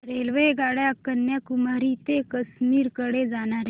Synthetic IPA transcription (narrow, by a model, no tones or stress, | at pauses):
ɾelʋeɡaɽjakənjakumaɾit̪ekəsmiːɾkəɽed͡zaɽ̃aɾe